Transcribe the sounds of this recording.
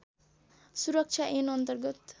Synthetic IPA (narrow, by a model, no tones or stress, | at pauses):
suɾʌk̚t͡ʃʰaʔenʌnt̪ʌrɡʌt̪